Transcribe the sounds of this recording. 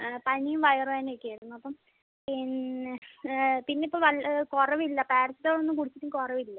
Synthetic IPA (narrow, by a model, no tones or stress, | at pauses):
pɐɳijumʋɐjɐrujaːneikʲːijɐjiunːuɐpːɐm | pin | pinːeipːoːʋɐlkorɐʋilːɐpeːɾɐt͡ɕːit̪ːoːɭonːɨkuɽit͡ɕːiʈːiŋkorɐʋilːɐ